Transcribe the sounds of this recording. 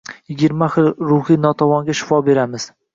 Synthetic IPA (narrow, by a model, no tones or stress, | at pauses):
jɪɡʲɪɾmaχɨlɾʊhinɒt̪ʰɒvɒŋɡʲaʃɪ̥fɒbe̞ɾamɪz̥